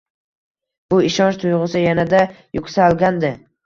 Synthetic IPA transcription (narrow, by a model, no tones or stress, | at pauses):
b̥ʊɪʃɒnt͡ʃt̪ʰʊjʁɨsɪjanad̪a | jʊkʲsaɒlˠɡʲand̪ɪ